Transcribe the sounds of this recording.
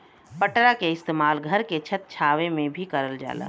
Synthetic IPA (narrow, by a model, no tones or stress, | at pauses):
pəʈɾakeɪst̪eːmaːlɡʱəɾket͡ʃʰət̪̚t͡ʃʰaːʋemẽbʱikəɾəld͡ʒa̰ːla̰ː